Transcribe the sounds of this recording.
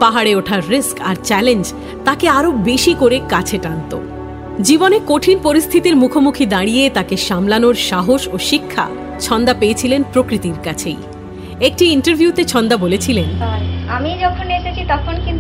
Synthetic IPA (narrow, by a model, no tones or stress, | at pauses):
paɦaɽeoʈʰaɾːiska̰ɾt͡ɕɛlend͡ʑ | t̪akeaɾobeʃikoɾekat͡ɕʰeʈant̪o̰ | d͡ʑibonekoʈʰinpoɾist̪ʰit̪iɾmukʰomukʰid̪aɽijet̪akeʃamlanoɾʃaɦoʃoʃikʰːa̰ | t͡ɕʰɔnd̪apeet͡ɕʰilenpɾokɾit̪iɾkat͡ɕʰḛj | ek̚ʈiiɳʈeɾbʱjut̪et͡ɕʰɔnd̪abolet͡ɕʰilenaɾamid͡ʑɔkʰoneʃet͡ɕʰit̪ɔkʰonkin